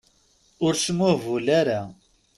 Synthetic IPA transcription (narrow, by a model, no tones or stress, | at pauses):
ʊɾʃmuvulæɾæ